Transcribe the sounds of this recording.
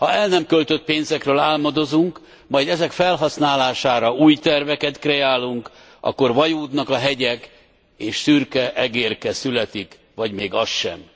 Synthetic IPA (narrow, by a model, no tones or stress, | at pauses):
hɒɛlnɛmkølt̪øt̪̚peːnzɛkrøːlaːlmɒd̪o̞zuŋk | mɒjd̪ɛzɛkfɛlɦɒsnaːlaːʃaːɾɒuːjt̪ɛrvɛkɛt̪krɛaːlːuŋk | ʔɒ̰kːo̞rvɒjuːd̪nɒkɒɦɛɟɛk | eːʃsyrkɛʔɛɡeːrkɛsylɛt̪ik | ʋɒɟmeːɡɒsʃɛ̰m